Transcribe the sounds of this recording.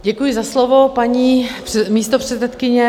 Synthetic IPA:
ɟɛkujɪzaslovopaɲiːɛmiːst̪opr̥ɛt̪sɛt̪kɪɲɛ

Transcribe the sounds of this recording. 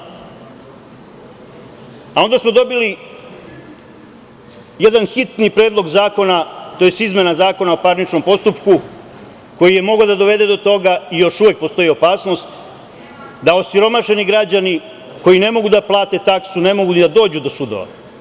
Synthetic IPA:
ao̞nd̪asmo̞d̪o̞bili | jed̪anxit̪nipɾe̞ːd̪lˠo̞ɡzaːko̞nat̪ojest̪izme̞nazaːko̞naopaːɾnit͡ʃno̞mpo̞st̪upku | ko̞jije̞mo̞ɡod̪ad̪o̞ʋe̞d̪e̞d̪ot̪o̞ɡaijo̞ʃuʋjek̚po̞st̪o̞jio̞paːsno̞st̪ | d̪ao̞siɾo̞maʃe̞niɡɾad͡ʑani | ko̞jine̞mo̞ɡud̪aplˠaːt̪e̞t̪aksune̞mo̞ɡunid̪ad̪o̞ːd͡ʑud̪o̞sud̪o̞ʋa̰

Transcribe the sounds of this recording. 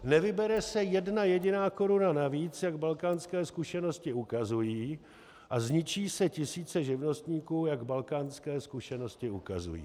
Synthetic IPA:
nɛvɪbɛɾɛsɛjɛdnajɛɟɪnaːko̞ɾunanaviːt͡sjaɡbalkaːnskɛːskuʃɛno̞scɪukazujiː | ʔazɲɪt͡ʃiːsɛcɪsiːt͡sɛʒɪvno̞st̪ɲiːkuːjaɡbalkaːnskɛːskuʃɛno̞scɪukazṵjḭː

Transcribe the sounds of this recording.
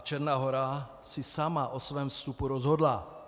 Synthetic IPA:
t͡ʃɛɾnaːɦɔɾa | sisamaʔɔsʋɛːmfst̪upuɾɔzɦɔd̪la

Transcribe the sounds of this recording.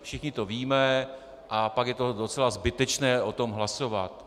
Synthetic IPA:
fʃɪxɲɪt̪o̞viːmɛ | ʔapakjɛt̪o̞dot͡sɛlazbɪt̪ɛt͡ʃnɛːʔo̞t̪o̞mɦlasova̰t̪

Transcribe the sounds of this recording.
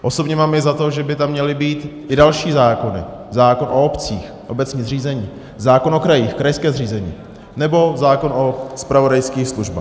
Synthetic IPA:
ʔo̞sobɲɛmaːmjɛzat̪o̞ʒɛbɪt̪amːɲɛlɪbiːt̪ʔɪdalʃiːzaːko̞nɪ̰ | zaːkonʔoopt͡siːx | ʔo̞bɛt͡sɲiːzriːzɛɲiː | zaːko̞no̞kɾajiːxkɾajskɛːzriːzɛɲḭː | nɛbo̞zaːko̞nʔospɾavo̞dajskiːxsluʒba̰ːx

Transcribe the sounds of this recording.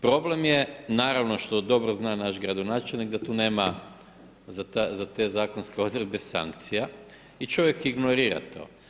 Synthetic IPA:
pɾo̞ble̞mjenaːɾaʋno̞ʃt̪o̞d̪o̞bɾoznaːnaʃɡɾad̪onaːt͡ʃelʲnikd̪at̪uːne̞ːma | zat̪azat̪e̞ːzaːkonskeo̞d̪ɾebesa̰ŋkt̪sija | it͡ʃo̞ʋjekiɡnoɾiːɾa̰t̪o̞̰ː

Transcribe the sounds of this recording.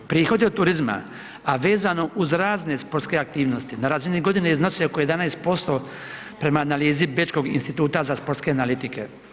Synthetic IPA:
pɾiːxo̞d̪iot̪t̪ːuɾizma̰ | aʋe̞ːzano̞ʔuzɾaːzne̞spoɾt̪ske̞akt̪iːʋno̞st̪inaɾaːziniɡo̞d̪ineiznosiokoje̞d̪anajst̪̚po̞st̪o̞ | pɾe̞maːnaliːzibet͡ʃko̞ɡinst̪it̪uːt̪azaspo̞ɾt̪ske̞analit̪ike̞̰

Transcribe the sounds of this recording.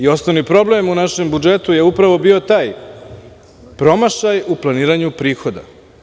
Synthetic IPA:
io̞snoʋnipɾo̞ble̞munaʃe̞mbud͡ʒe̞t̪uje̞upɾaʋo̞bio̞t̪aːj | pɾo̞maʃajuplˠaniːɾaɲupɾiːxo̞d̪a̰

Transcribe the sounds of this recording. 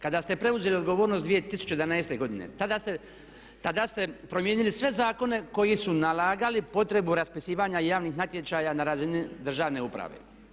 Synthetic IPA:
kad̪ast̪e̞pɾe̞uze̞liod̪ɡo̞ʋoːɾno̞sd̪ʋije̞t̪isu̥t͡ʃeed̪anaest̪e̞ɡo̞d̪inḛt̪ad̪ast̪e | t̪ad̪ast̪e̞pɾo̞mjeːnilisʋe̞zaːko̞ne̞ko̞jisunalaːɡalipo̞t̪ɾe̞buɾaspisiːʋaɲajaːʋnixnat̪je̞t͡ʃaːjanaɾaːzinid̪r̩ʒaːʋne̞upɾa̰ʋḛ

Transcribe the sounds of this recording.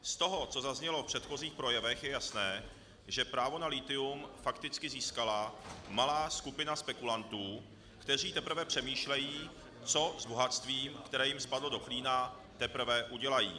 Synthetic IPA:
st̪o̞ɦo̞t͡so̞zazɲɛlo̞fpr̝̥ɛt̪xo̞ziːxpɾo̞jɛvɛxjɛjasnɛː | ʒɛpɾaːvo̞nalit̪ɪumfakt̪ɪt͡skɪziːskalamalaːskupɪnaspɛkulant̪uː | kt̪ɛr̝iːt̪ɛpɾ̩vɛpr̝̥ɛmiːʃlɛjiː | t͡so̞zboɦat͡st̪viːmkt̪ɛɾɛːjɪmspadlodo̞kliːna | t̪ɛpɾ̩vɛʔuɟɛlajḭː

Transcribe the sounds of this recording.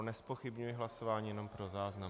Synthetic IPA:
nɛspo̞xɪbɲujɪɦlaso̞vaːɲiːjɛno̞mpɾo̞zaːzna

